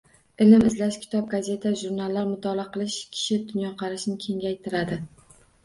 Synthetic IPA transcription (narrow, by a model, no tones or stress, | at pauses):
ɪlɪmɪzlaʃkʲʰɪ̥t̪ʰɒb̚ɡaze̞t̪ʰaʒuɾnalːaɾmʊt̪ʰɒlˠaqɨlˠɪʃkʲʰɪ̥ʃɪd̪ʊnjɒqʰɑɾɪʃnɪkʲʰe̞ŋɡʲajt̪ʰɪɾad̪ɪ